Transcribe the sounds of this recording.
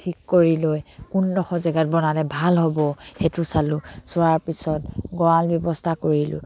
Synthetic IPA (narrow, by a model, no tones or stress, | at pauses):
tʰikːoɹilojkundɔxɔzɛɡat̚bɔnalɛbʱalɦobɔhetusalʊsʊaɹpisɔtɡɔɹalbjɔbɔstʰakoɹilʊ̰